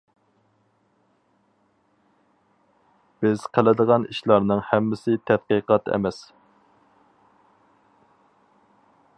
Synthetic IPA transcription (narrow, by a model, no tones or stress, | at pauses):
b̥ɪz̥qʰəlɪd̪əʁɑniʃlˠɑɾnɨŋhɛmːɪsɪt̪ʰɛt̪̚qiqɑt̪ʰɛ̰mɛs